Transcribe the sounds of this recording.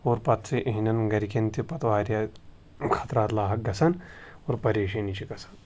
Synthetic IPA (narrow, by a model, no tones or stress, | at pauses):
oːɾpɐt̪siʔɐɦinɐnɡɐɾikent̪ʰipɐt̪ʋaːɾja | kʰɐt̪ɾaːt̪laːɦɐk̚ɡɐsɐnoːɾpɐɾeːʃɐnit͡ʃiɡɐsɐ̥n